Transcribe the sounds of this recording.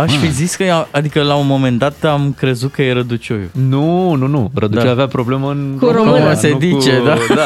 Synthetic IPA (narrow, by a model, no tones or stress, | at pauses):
aʃfiziskəaad̪ikəlaunmo̞me̞nd̪at̪amkɾe̞zut̪̚kəjeɾəd̪ut͡ʃojṵnununuɾəd̪ut͡ʃojaveapɾo̞ble̞məɨnkuɾəmɨnəsed̪it͡ʃe̞d̪a